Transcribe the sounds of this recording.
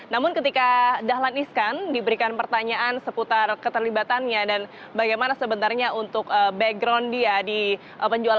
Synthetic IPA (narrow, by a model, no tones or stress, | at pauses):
namʊnkət̪ikadaɦlaniskandibəɾikanpərt̪aɲaʔansəput̪arkət̪ərlibat̪anɲadan | baɡajmanasəbənt̪arɲaunt̪ʊkəbɛɡɾɔndiadi | ʔəpəɲd͡ʒual